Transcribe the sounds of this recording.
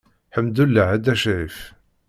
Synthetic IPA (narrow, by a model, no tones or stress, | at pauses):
ħəmd̪ulːəʕæd̪æʃɾif